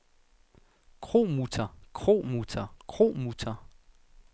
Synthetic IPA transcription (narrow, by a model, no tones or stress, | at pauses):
kʰʁomut͡sʰakʰχomut͡sʰakʰʁomut͡sʰa